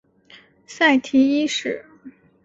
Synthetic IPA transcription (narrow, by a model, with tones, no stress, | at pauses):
sa˥˩ɪt̪ʰi˧˥i˥ʂɻ̩˥˩